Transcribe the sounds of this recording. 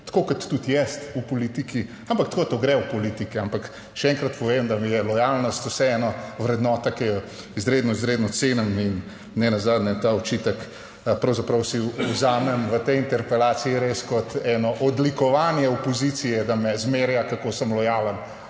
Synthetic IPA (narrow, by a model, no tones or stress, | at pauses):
t̪ḁkoːkɔt̪ːut̪jɛst̪upɔlit̪iki | ampakt̪kod̪at̪oɡɾɛwpɔlit̪ikiampak | ʃɛɛŋkɾɐt̪pɔʋemd̪amijɛlɔjalnɔst̪usɛɛnaʋɾɛd̪nɔt̪akɛjɛ | izɾeːd̪nɔizɾeːd̪nɔt̪seːnamin | nɛnazaːd̪nɛt̪aɔt͡ʃit̪ək | pɾɐwzapɾɐwsiuzaːmɛmʋət̪ɛjint̪ɛɾpɛlaːt̪siiɾeskɔt̪ɛnɔʔɔd̪likɔʋaːnjɛɔpɔzit̪sijɛd̪amɛzmeɾjakakosəmlɔjaːlən